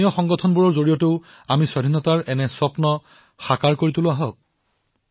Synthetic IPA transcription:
ijɔxɔŋɡɔtʰɔnbuɹɔɹzoɹijɔteʊ | amisɔdʱinːɔtaɹɛnɛsɔpnɔ | xakaɹkoɹitulʊaɦɔk̚

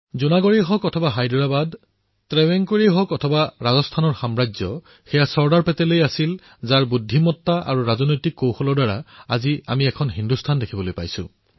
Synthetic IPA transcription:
zunaɡoɹeɦɔkɔtʰɔbaɦajdɔɹabad | tɹɛwɛŋkoɹiɦɔkɔtʰɔbaɹazɔstʰanɔɹxamɹazɔ̰ | xɛjasɔɹdaɹpɛtɛlejasil | zaɹbudʱːimɔtːaʔa̰ɹuɹazɔnojtikːowxɔlɔɹdaɹa̰azia̰miɛkʰɔnɦindustʰandekʰibɔlojpa̰jsʊ̰̃

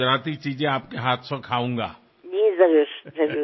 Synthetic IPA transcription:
ɾaːt̪it͡ʃiːzẽaːpkeɦaːt̪ʰsõkʰaːũːŋɡa̰ː | d͡ʒiːzɐɾuʃzɐɾu

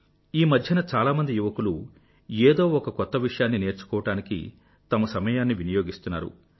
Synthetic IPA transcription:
iːmɐd̪ʱjɐnɐt͡ʃaːlaːmɐnd̪ijuʋɐkulu | eːd̪o̞ːɔkɐkɔt̪ːɐʋiʂɐjaːnːine̞ːɾt͡ʃu̥kɔːʋɐʈaːnikḭ | t̪ɐmɐsɐmɐjaːnːiʋinɐjo̞ːɡist̪unːa̰ːɾṵ

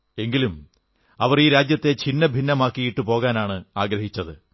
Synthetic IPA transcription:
e̞ŋɡilum | ɐʋɐriːɾaːd͡ʑjɐt̪ːe̞t͡ɕinːɐbʱinːɐmaːkːijiʈːɨpo̞ːɣaːnaːɳɨaːɡɾɐɦit͡ɕːɐðɨ

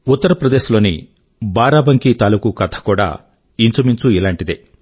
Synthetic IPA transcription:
ut̪ːɐɾɐpɾɐd̪e̞ːʃulo̞ːnḭ | baːɾaːbɐŋkit̪aːlukukɐt̪ʰɐ̥kuːɽa̰ː | int͡ʃɐmiɲt͡ʃuilaːɳʈid̪e

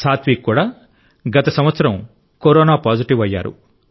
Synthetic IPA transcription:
saːt̪ʰʋikːuːɽaː | ɡɐt̪ɐsɐmʋɐt̪sɐɾɐm | koɾoːnaːpaːd͡ʒiʈiʋɐjːa̰ːɾṵ

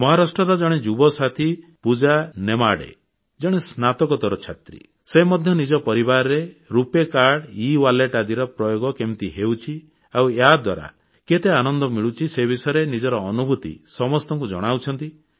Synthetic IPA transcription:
mɔɦaɾasʈɾɔɾɔd͡ʒɔɽ̃ed͡ʒubɔsat̪ʰipud͡ʒanemaɽḛ | d͡ʒɔɽ̃esnat̪ɔkɔt̪ɔɾɔt͡ʃʰat̪ɾḭ | semɔd̪ʱjɔnid͡ʒɔpɔɾibaɾɔɾeɾupekaɾɽiwaleʈad̪iɾɔpɾɔjoɡɔkemt̪iɦeuwt͡ʃʰi | aweɦad̪wa̰ɾa̰ | ket̪eanɔnd̪ɔmiɭut͡ʃʰisebʱisɔjɾenid͡ʒɔɾɔːnubʱut̪ḭsɔmɔst̪ɔŋkud͡ʒɔ̰ɽ̃awt͡ʃʰɔnt̪i

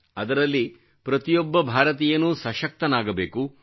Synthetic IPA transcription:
ɐd̪ɐɾɐlːi | pɾɐt̪ijɔbːɐbʱaːɾɐt̪̬ijɐnːusɐʃɐk̚t̪ɐnaːɡɐbeːku

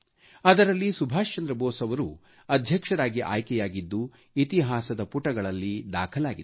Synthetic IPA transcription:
ɐd̪ɐɾɐlːisubʱaːʃt͡ʃɐnd̪ɾɐbɔːsɐʋɐɾṵ | ɐd̪ʱjɐkʂɐɾaːɡiʔa̰ːjkɛjaːɡid̪ːu | it̪iɦaːsɐd̪ɐpuʈɐɡɐɭɐlːid̪a̰ːkʰɐlaːɡid̪

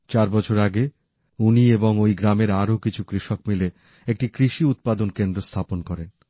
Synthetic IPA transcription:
t͡ɕaɾbɔt͡ɕʰoɾaɡe | unieboŋojɡɾameɾaɾokit͡ɕʰukɾiʃokmile | ek̚ʈikɾiʃiut̪̚pad̪onkend̪ɾost̪ʰaponkɔɾen

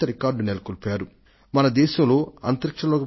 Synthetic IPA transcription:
ɐɾikaːɾɖunelɐkulipaːɾu | mɐnɐd̪ɛːʃɐmlo̞ːɐ̰nt̪ɐɾikʂɐloːki

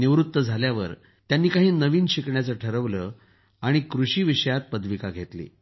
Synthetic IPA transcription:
niʋɾut̪ːəd͡zʱaljaʋə̰ɾ | t̪janːiːkaɦiːnəʋiːnɕikɳjat͡səʈʰəɾəʋləː | aɽ̃ikɾuɕiːʋiɕəjat̪̚pəd̪ʋikaɡʱet̪lḭː

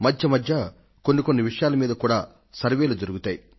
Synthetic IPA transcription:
mɐdʱjɐmɐdjɐ | ko̞nːiko̞nːiʋiʂɐjaːlɐmiːd̪ɐkuːɽaː | sɐɾʋeːlud͡ʒɐɾuɡut̪aːji

